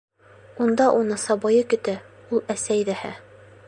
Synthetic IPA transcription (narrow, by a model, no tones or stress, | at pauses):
und̪ɑʔunɤsɑbɑjɤkɵ̆t̪æ | ulˠæsæjdæhæ̰